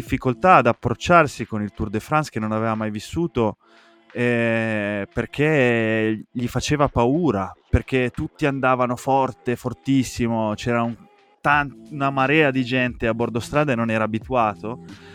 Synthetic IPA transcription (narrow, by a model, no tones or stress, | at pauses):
ifːikolt̪aːd̪apːɾot͡ʃːarsikonilt̪urd̪efɾanskenːonaveːvamajvisːuːt̪o | ɛ | perk̟e | ʎifat͡ʃeːvapauːɾaperk̟et̪ut̪ːiand̪aːvanofɔrt̪efort̪isːimot͡ʃɛːɾaun | t̪ant̪unamaɾɛːad̪id͡ʒɛnt̪eabːord̪ost̪ɾaːd̪aenonɛːɾaːbit̪uaːt̪o